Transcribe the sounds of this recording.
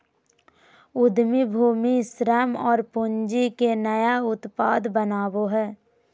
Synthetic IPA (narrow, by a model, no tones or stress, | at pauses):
ʊd̪mibʱuːmisɾəmɔːɾpʊɲd͡ʒikenəjaʊt̪paːd̪bənaːboɦɛː